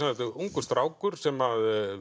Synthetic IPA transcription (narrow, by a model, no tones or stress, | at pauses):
anat̪ɪuŋkʏst̪ɾaːwkʏɾ̥sɛmað